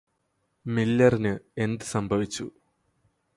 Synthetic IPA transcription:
milːɐrinɨe̞nd̪ɨsɐmbʱɐʋit͡ɕːu

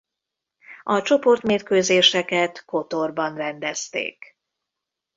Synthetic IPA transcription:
ɒt͡ʃo̞po̞rt̪meːrkøːzeːʃɛkɛt̪ko̞t̪orbɒnrɛnd̪ɛst̪ḛːk

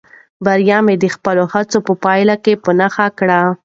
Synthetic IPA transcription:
baɾjɑmed̪əxpəlohat͡sopəpɑjlakepənaxakɽa

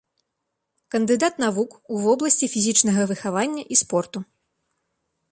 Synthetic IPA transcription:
kɐnd̪ɨd̪at̪navukuvɔblˠɐsʲt͡sʲifʲizʲit͡ʂnɐɣɐvɨxavanʲːɐʔispɔrt̪u

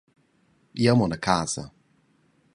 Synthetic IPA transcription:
jamɔnəkʰasa̰

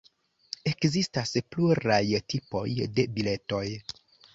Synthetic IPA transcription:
e̞kzistaspluɾajtipo̞̰jde̞bile̞to̞j

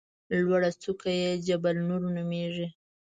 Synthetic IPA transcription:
lwaɽat͡sukajed͡ʒabalnuɾnumeʐi

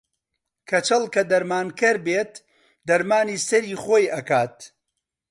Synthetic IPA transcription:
kʰɐt͡ʃɐlˠkɐd̪ɐɾmaːnkɐɾbeːt̪̚ | d̪ɐɾmaːniːsɐɾiːχoːjɐkaːt̪̚

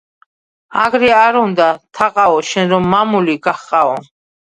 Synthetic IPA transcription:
aɡɾɛaɾund̪at̪ʰaqʼaɔʃɛnɾɔmːamuliɡaχqʼaɔ

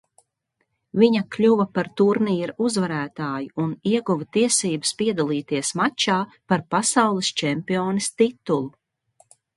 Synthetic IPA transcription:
viɲɐklʲuvɐpaɾt̪uɾniːɾuzvaɾæːt̪aːjuuniɛɡuvɐt̪iɛsiːbɨspiɛd̪alˠiːt̪iɛsmat͡ʃaːpaɾpasawlˠist͡ʃɛmpioːnist̪it̪ulˠu

